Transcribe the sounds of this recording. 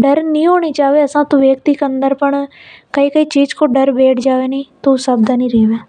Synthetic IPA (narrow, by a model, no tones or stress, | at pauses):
ɖəɾnĩːɦoːɳ̃iːt͡ʃaːʋeːəsãːt̪õːʋeːkt̪iːkənd̪əɾpəɳkəiːkəiːt͡ʃiːd͡ʒkoːɖəɾbeːʈd͡ʒaːʋeːniːt̪osəbd̪aːnĩːɾeːʋeː